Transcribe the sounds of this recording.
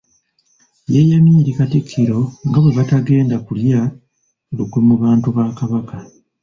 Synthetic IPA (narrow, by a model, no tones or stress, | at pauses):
jejamiːɾikatikʰːiɾo̞ŋɡaβwe̞βataɡe̞ːndakulja | okwemuβaːntuβaːkaβaka